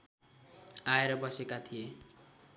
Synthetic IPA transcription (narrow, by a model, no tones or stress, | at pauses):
aeɾʌbʌsekat̪ʰije